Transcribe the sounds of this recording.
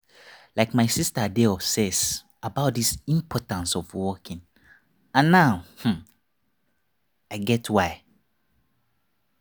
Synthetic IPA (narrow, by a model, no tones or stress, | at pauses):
laɪkmaɪsistədeɔsɛs | abaʊt̚disĩmpʰɔtãnsɔfwɔkĩn | ãnːaʊhm̩ | aɪɡɛtwaɪ